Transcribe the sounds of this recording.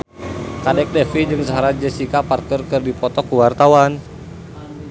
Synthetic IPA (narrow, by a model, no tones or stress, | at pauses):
kadɛk̚dɛfid͡ʒɨŋsaɦaɾad͡ʒəsikaparkərkɨrdipɔt̪ɔkuwart̪awan